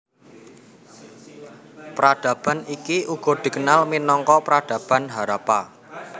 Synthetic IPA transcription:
pɾad̪̥ä̤b̥a̤nikiuɡ̥ɔ̤d̪̥i̤kənalminɔŋkɔpɾad̪̥ä̤b̥a̤nɦaɾapa

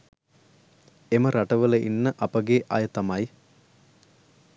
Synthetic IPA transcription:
eməɾʔaʈəʋələʔḭnːəʔɐpəɡeʔɐjət̪amɐj

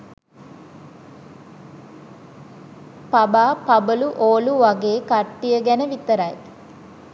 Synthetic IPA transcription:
pɐbaːpɐbəluʔoːluʋɐɡeːkɐʈːijəɡɛnəʋit̪əɾɐj

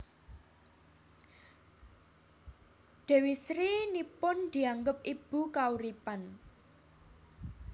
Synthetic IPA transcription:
d̪̥e̤wisɾinipʊnd̪̥i̤aŋɡʊp̚ib̥ṳkauɾipan

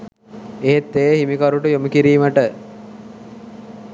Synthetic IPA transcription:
eet̪ːejhimikɐɾuʈəjoməkiɾiːməʈə

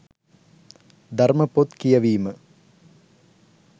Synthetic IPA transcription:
d̪ʱɐɾmɐpːoːt̪kɪjɐʋiːmɐ

